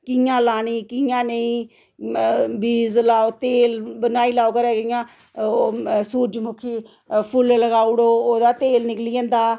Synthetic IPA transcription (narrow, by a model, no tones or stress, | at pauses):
kɪjãːlaːniːkɪjãːnəĩː | biːzlaːoːt̪eːlbənaːiːlaːoːkəɾɛːkɪjãː | suːɾd͡ʒmʊkʰiː | pʰʊlləɡaːʊɽoːoːd̪aːt̪eːlnɪkliːãːnd̪aː